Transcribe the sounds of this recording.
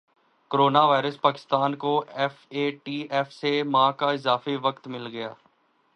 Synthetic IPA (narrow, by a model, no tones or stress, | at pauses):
koɾoːnaːʋaːɪɾəspaːkɪ̥st̪aːnkoɛfeːʈiːɛːfsemãːkaɪzaːfeʋɐkt̪mɪlɡɐja̰ː